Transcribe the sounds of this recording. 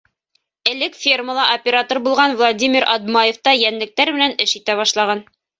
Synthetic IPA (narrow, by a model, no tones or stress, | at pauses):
ɘ̆lɘkfʲirməlˠɑʔopʲeɾat̪orbulˠʁɑnvlˠadʲimʲiɾɐ̰d̪mɑjeft̪ɑjænlɘ̆k̚t̪æɾmɘ̆nænɘʃit̪æβɑʃlˠɑʁɑn